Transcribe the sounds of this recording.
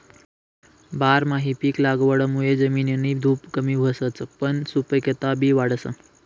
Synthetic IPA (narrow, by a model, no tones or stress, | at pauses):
baːɾmaɦipiːklaɡʋəɽəmued͡ʒəminjənid̪ʱuːpkəmibʱəsət͡spənsupəket̪abiʋaɽəsə